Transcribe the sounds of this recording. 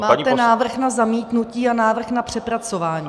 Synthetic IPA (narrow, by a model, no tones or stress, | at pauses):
maːɛnaːvr̩xnazamiːt̪nuciːanaːvr̩xnapr̝̥ɛpɾat͡so̞vaːɲiː